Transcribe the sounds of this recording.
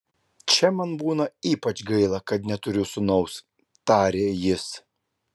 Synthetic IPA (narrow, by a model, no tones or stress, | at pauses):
t͡ʃʲɛmɐnbuːnɐiːpɐt͡ʃɡɐɪlˠɐkɐt̪̚nʲɛt̪ʊɾʲʊsʊnɔʊs | t̪ɑːɾʲeːjɪs